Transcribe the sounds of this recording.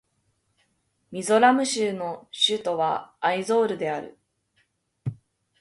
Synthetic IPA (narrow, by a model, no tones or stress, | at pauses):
mʲizo̞ɾamɯ̟ɕɨːno̞ɕɨt̪o̞βaːizo̞ːɾɯ̟d̪e̞aɾɯ̟̰